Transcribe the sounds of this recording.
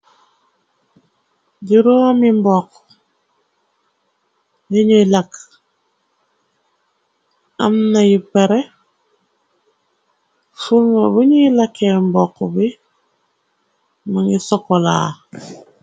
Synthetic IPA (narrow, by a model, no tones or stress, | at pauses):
ɟiɾoːmimbɔk | jiɲilak | amnajipeɾe | fulmaβuɲilakembɔkbi | maŋisɔkola̰ː